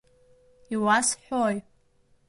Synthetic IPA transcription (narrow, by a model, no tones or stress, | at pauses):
iwasħoj